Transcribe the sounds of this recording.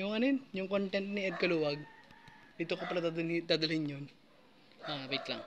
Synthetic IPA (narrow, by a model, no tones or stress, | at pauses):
jʊŋɐnɛnjʊŋkont̪ɛnt̪̚niɛd̪̚kɐluːwɐɡ̚ | ɪt̪okopɐɾɐd̪ad̪ad̪ɐlɪnjon | ʔabɪt̪lɐ̰ŋ